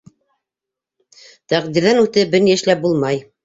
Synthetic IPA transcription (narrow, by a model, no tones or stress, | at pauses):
t̪æqd̪iɾðænʉt̪ɘbɘ̆ɾnijɘ̆ʃlæp̚bulˠmɑj